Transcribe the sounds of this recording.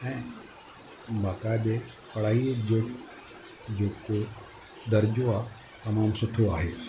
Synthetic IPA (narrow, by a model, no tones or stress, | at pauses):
ɛ̃ː | baːkaːd̪e | pɐɽ̤aːied͡ʒoɽ | d͡ʒoːko | d̪ɐɾd͡ʒoa | t̪ɐmaːmsʊʈʰoaːɦeː